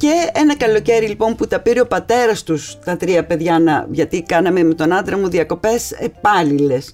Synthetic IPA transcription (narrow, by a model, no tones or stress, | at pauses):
ce̞enɐkɐlo̞ce̞ɾilipo̞mput̪ɐpiɾio̞pɐt̪e̞ɾɐst̪ust̪ɐt̪ɾiɐpe̞ðʝɐnɐʝɐt̪ikɐnɐme̞met̪o̞nɐnd̪ɾɐmuðiɐko̞pe̞sepɐlile̞s